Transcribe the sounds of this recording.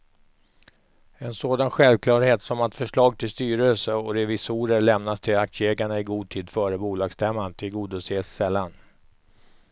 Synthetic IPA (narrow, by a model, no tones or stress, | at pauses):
ɛnsoːd̪anɧɛlvkʰlɑːɾheːt̪sɔmat̪fœʂɭɑːɡ̚t̪ʰɪlst̪yːɾəlsəɔɾɛvɪsuːɾəɭɛmnast̪ʰɪlakt̪sjeːɡlaɳaɪɡuːd̪̚t̪ʰiːd̪fœːɾəbuːlɑːɡsd̪ɛmːant̪ʰɪlɡuːd̪ɔseːsːɛlːan